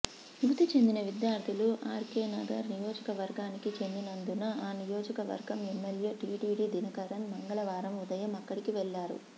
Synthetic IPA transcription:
jut̪it͡ʃe̞nd̪inɐʋid̪jaːɾd̪ʰʱuluʔaːɾkeːnɐɡɐɾnijɔːd͡ʒɐkɐʋɐɾɡaːnikit͡ʃe̞nd̪inɐnd̪unɐaːnijɔːd͡ʒɐkɐʋɐ̰ɾɡɐmɛmːeljeʈiːɖiːɖid̪inɐkɐɾɐnmɐŋɡɐɭɐʋaːɾɐmud̪ɐjɐmɐkːɐɽikiʋɛɭːaːɾṵ

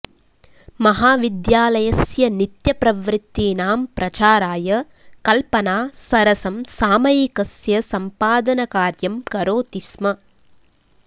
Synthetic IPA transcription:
mɐɦaːʋid̪jaːlɐjɐsjɐnit̪jɐpɾɐʋɾɪt̪ːiːnaːmpɾɐt͡ʃaːɾaːjɐ | kɐlpɐnaːsɐɾɐsɐmsaːmɐjikɐsjɐsɐmpaːd̪ɐnɐkaːɾjɐmkɐɾoːt̪ismɐ

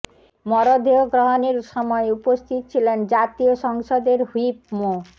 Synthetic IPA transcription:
mɔɾɔd̪ʱeɔɡɾɔɦɔneɾsɔmɔeupɔst̪ʰit̪ɔt͡ʃʰilend͡ʒat̪ijosɔŋsɔd̪eɾɦuipmo

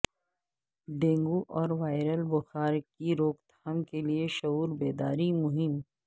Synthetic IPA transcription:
ɖẽːŋɡuʔɔːɾʋaːɪɾəlbʊxaːɾkiɾoːkt̪amkelieʃɐuːɾbeːd̪aːɾimʊɦɪm

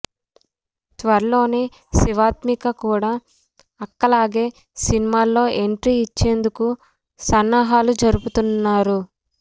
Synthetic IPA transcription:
t̪ʋɐɾɐlo̞ːneː | siʋaːt̪mikɐkuːɽaː | ɐkːɐlaːɡe̞ː | sinimaːlːo̞ːʔeɳʈɾiːt͡ʃːe̞ːnd̪uku | sɐnːaɦaːlud͡ʒɐɾuput̪unːaːɾu

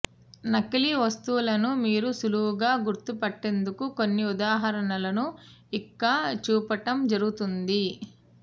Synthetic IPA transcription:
nɐkiliʋɐst̪uːulɐnumiːɾusuluːuɡaːɡuɾt̪upɐʈːe̞nd̪ukuko̞nːiud̪aːɦɐɾɐɳɐlɐnuikːaːt͡ʃuːpɐʈɐmd͡ʒɐɾuɡut̪und̪i

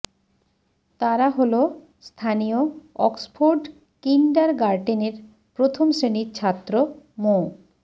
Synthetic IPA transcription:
t̪aɾaɦolo | st̪ʰanijoɔksfʰoɾɖ | kinɖaɾɡaɾɖeneɾ | pɾot̪ʰomsɾeniɾt͡ɕʰat̪ːɾomo

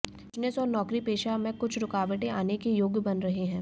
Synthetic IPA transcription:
ʃnɪsɔːɾnɔːkɾipeːʃamẽkʊt͡ʃʰɾʊkaːʋəʈẽaːnekejoːɡjbɐnɾɐɦeɦɛ̃ː

